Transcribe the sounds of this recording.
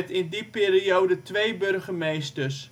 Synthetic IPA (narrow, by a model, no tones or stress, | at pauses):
tɪndipɪːɾiowdətʋejbørχəmejstərs